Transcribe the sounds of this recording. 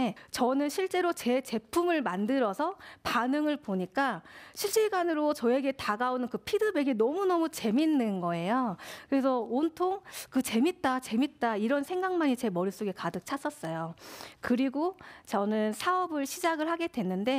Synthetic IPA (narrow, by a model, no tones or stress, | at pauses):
et͡ɕʌnɯnɕʰiɭt͡ɕ͈e̞ɾot͡ɕe̞t͡ɕe̞pʰumɯɭmandɯɾʌsʰʌpanɯŋɯɭpoɲik͈aɕʰiɭɕ͈iɡanɯɾot͡ɕʌe̞ɡe̞taɡaonɯnkɯpʰidɯbe̞ɡe̞nʌmunʌmut͡ɕe̞minːɯnɡʌe̞jokɯɾe̞sʰʌontʰoŋkɯt͡ɕe̞mit̚t͈at͡ɕe̞mit̚t͈aiɾʌnsʰe̞ŋɡaŋmaɲit͡ɕe̞mʌɾis͈oɡe̞kadɯk̚t͡ɕʰas͈ʌs͈ʌjokɯɾiɡot͡ɕʌnɯnsʰaʌbɯɭɕʰid͡ʑaɡɯɭhaɡe̞dwe̞nːɯnde̞